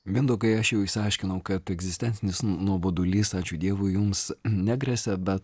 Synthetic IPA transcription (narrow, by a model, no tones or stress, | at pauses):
ʋʲind̪oːkɐɪɐʃjɛʊɪʃsʲɪɐɪʃʲkʲɪnɐʊkɐt̪ɛɡzʲɪsʲt̪ʲɛnʲsʲɪnʲɪsnuɔboːd̪ʊlʲiːsɑːt͡ʃʲʊːd̪ʲiɛʋʊjʊmsnʲæɡɾʲɛsʲɛbʲɛt̪